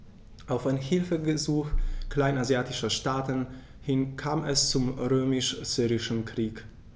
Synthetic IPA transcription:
ʔaʊfaɪnhɪlfəɡəzuːxkl̥aɪnazjaːtɪʃɐʃtaːtən | hɪnkʰaːmɛst͡sʊmʁøːmɪʃz̥yːʁɪʃn̩kʁ̥iːk

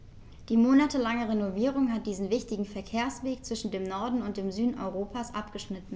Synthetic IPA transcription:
d̥iːmoːnatəlaŋəʁenoviːʁʊŋɦat̚d̥iːzn̩vɪçtɪɡŋ̩fɛɐkʰeːɐsv̥eːk̚t͡sv̥ɪʃn̩deːmnɔɐdn̩ʊnt̚d̥eːmzyːdn̩ʔɔ̰ʏʁoːpʰasʔapɡ̥əʃnɪtn̩

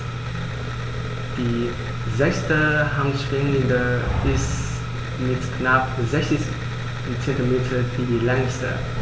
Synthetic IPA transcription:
d̥iː | zɛstəhanʃʁ̥ɪŋlɪndəɪst | mɪtknapzɛçt͡sɪs | nt͡sɛntimeːtʰəfidiːlɛŋstə̰

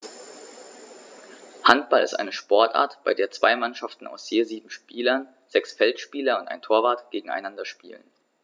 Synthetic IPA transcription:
hant̚b̥alɪ̰stʔa̰ɪnəʃpɔɐtʔa̰ːɐtb̥aɪdeːɐt͡sv̥aɪmanʃaftn̩a̰ʊsz̥eːziːbm̩ʃpiːlɐn | z̥ɛksfɛltʃpiːlɐʊntʔa̰ɪntʰoːɐvaːɐtɡ̥eːɡŋ̩a̰ɪnandɐʃpḭːlə̰n

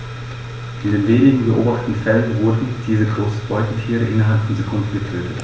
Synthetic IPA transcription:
ʔɪndeːnveːnɪɡŋ̩bəʔo̰ːbaχtə̥tn̩fɛlənvʊɐdn̩d̥iːzəɡʁoːsn̩b̥ɔʏtn̩tʰiːʁəʔɪnɐɦalpfɔnt͡sukʰʊnf̩ɡətʰøːtʰət

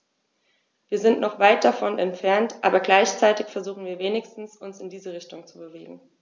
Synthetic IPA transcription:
v̥iːɐzɪntnɔχv̥aɪt̚d̥afɔnɛ̰ntfɛɐntʔa̰ːbɐɡlaɪçt͡saɪtɪçfɛɐzuːχn̩viːɐveːnɪçstn̩sʊnsɪndiːzəʁɪçtʊŋt͡subəveːɡŋ̩

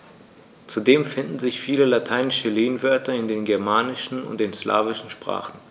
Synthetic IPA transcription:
t͡sudeːmfɪndn̩zɪçfiːləlatʰaɪnɪʃəleːnvœɐtɐɪndeːnɡɛɐmaːnɪʃn̩ʊ̰nt̚d̥eːnsla̰ːvɪʃn̩ʃpʁ̥a̰ːχn̩

